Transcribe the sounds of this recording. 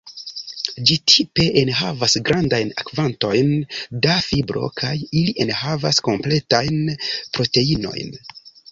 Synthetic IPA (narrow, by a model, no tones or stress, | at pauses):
d͡ʒitʰipe̞ʔenɦavasɡɾandajna̰kvanto̞jndafibɾo̞̰kʰajiliʔe̞nhavasko̞mple̞tajnpɾo̞te̞ino̞̰jn